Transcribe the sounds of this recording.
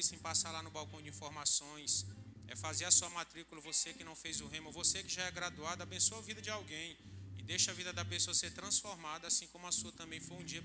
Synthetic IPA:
isẽj̃pasalanʊbawkɐ̃w̃d͡ʒɪĩfoɾmasõj̃s | ɛ̰fazeɾɐsuɐmat̪ɾikulɐvosekɪnɐ̃w̃fejzʊɦẽmʊvosekɪʒaɛɡɾad̪uad̪ɐabẽsoɐvid̪ɐd͡ʒɪawɡẽj̃ɪd̪ejʃɐvid̪ɐd̪ɐpesoɐseɾt̪ɾɐ̃sfoɾmad̪ɐasĩkõmʊɐsuɐt̪ɐ̃mbẽj̃fojũd͡ʒiɐ

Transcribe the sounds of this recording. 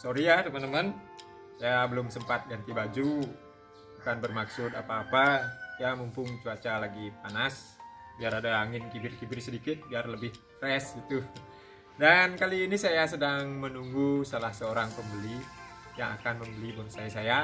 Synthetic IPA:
soɾiat̪əmant̪əman | sajabəlʊmsəmpat̪̚ɡant̪ibad͡ʒu | akanbərmaksʊdapaːpajamumpʊŋt͡ʃuat͡ʃalaɡip̚anas | biaɾadaːŋɪnkibɪrkibɪrsədikɪt̪̚biarləbɪh | t̪ɾɛsɡit̪u | dankaliːnisajasədaŋmənuŋɡusalahsəoɾaŋpəmbəlijaŋa̰kanməmbəlibɔnsajasaja

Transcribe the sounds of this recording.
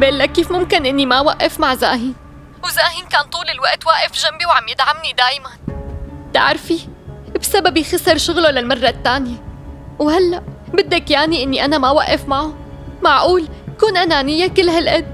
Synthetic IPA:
beːlːakːiːfmʊmkɪnʔɪnːimawaʔːɪfmaʕza̰ːɦiːn | wzaːhiːnkaːnt̪ˤuːlɪlwaʔt̪waːʔɪfʒambiwʕamjɪd̪ʕamnid̪aːjmant̪a̰ʕɾfibsababijxɑsɪɾˤʃʊɣlolalmɑrˤːɑt̪ːaːnjawhalːaʔbɪd̪ːakjaːniʔɪnːiʔanamawaʔːɪfmaʕu | maʕʔuːlkuːnʔanaːnɪjːakɪlːɦalʔad̪̚

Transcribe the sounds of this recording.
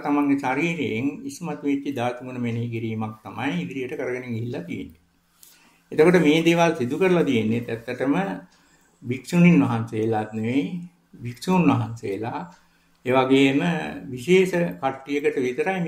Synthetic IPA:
t̪amaŋɡesaɾiːɾejeŋismat̪ʋit̪ːid̪aːt̪umunəmeneɦik̬iɾiːmak̚t̪amajid̪ɾijəʈəkəɾəɡəneŋɡiɦilːat̪ijḛnːe | et̪əkoʈəmeːd̪eːʋalsid̪ukəɾəlat̪ijenːet̪ɛt̪ːəʈəmə | biksuninʋaɦansejelat̪neʋe | biksuːnʋaɦansejəla | eːʋaɡeːməʋiʃeːsəkaʈːijəkəʈəʋit̪əɾajm

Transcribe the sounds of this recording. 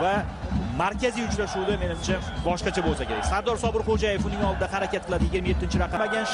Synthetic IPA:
vamaɾkʲazijʊt͡ʃɾaʃuwd̪ame̞nɪmt͡ʃʰa | bɒʃqɑt͡ʃʰabolˠsakʲe̞ɾa̰kʲsaɾd̪ɒɾsɒbɪɾχod͡ʒaje̞fʊnɪŋɒlˠd̪ɪd̪ahaɾakʲat̪̚qʰɨlˠad̪ɪjɪɡʲɪɾmaje̞t̪ːɪnt͡ʃʰɪɾaqʰɑmaɡʲanʃ

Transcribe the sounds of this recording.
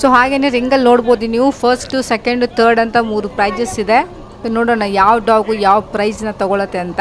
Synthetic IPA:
soːɦaːɡeːneɾiŋɡɐlno̞ːɽboːd̪iniːʋupʰɐɾsʈusekɐɳɖt̪ʰɐɾɖɐnt̪ɐmuːɾupɾɐjd͡ʒɐsid̪e̞ | noːɽoːnɐjaːʋɐɖaːʋɡuːjaːʋɐpɾɐjd͡ʒnɐt̪ɐɡɔɭɐt̪ːeɐnt̪ɐ

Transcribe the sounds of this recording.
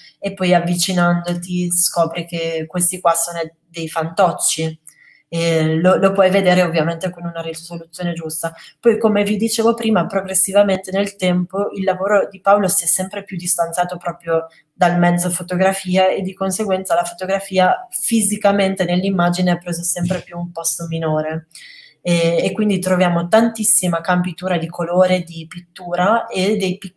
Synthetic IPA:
epːɔjavːit͡ʃinand̪ot̪iskɔːpɾikekːwest̪ikwasoːno | d̪ejfant̪ɔt͡ʃːi | ɛlolopwɔjved̪eːɾeovːjament̪ekonunaɾisolut̪sːjoːned͡ʒust̪apɔjkomevid̪it͡ʃeːvopɾiːmapɾoɡɾesːivament̪enelt̪ɛmpoilːavoːɾod̪ipawlosiɛsːɛmpɾepjud̪ːist̪ant̪sjaːt̪opɾɔːpɾjo | d̪almɛd̪zfot̪oɡɾafiːaed̪ːikonseɡwɛnt̪salafot̪oɡɾafiːafizikament̪enelːimːad͡ʒineapːɾezesɛmpɾepjuːmpɔst̪ominoːɾe | ɛːkːwind̪it̪ɾovjaːmot̪ant̪isːimakampit̪uːɾad̪ikʰoloːɾed̪ipit̪ːuːɾaed̪ejp

